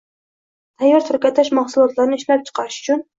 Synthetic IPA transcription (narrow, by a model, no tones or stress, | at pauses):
t̪ʰajːɑɾt̪ʰʊɾkʲat̪ʰːɪʃmɑχsulˠɒt̪lˠaɾnɪɪʃlæp̚t͡ʃʰɨ̥qʰɑɾɨʃy̥t͡ʃʰʊn